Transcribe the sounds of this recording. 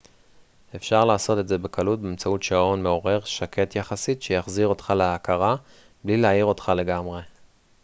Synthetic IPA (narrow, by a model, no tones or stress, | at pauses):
e̞fʃaʁlaːso̞te̞tze̞be̞kʰalut̚beemt͡sautʃao̞nme̞o̞ʁe̞ʁʃakʰe̞tjaχasitʃejaχziʁo̞tχaleakaʁa | blileaiʁo̞t̪χale̞ɡamʁe̞